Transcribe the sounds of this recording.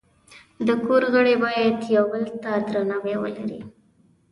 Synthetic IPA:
d̪əkoɾɣəɽebɑjad̪jawbəlt̪ad̪ɾanawewə̰laɾḭ

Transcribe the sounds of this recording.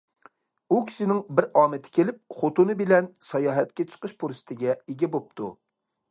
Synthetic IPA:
ukʲʰi̥ʃɪnɪŋbɪɾɑːmɪt̪ʰɪ̥kʲelɪp̚χot̪unɨbɪlɛnsɑjɑːɦɛt̪kʲɛt͡ʃʰə̥qəʃpʰuɾsɪ̥t̪ʰɪɡʲɛeɡʲɛbop̚t̪ʰṵ

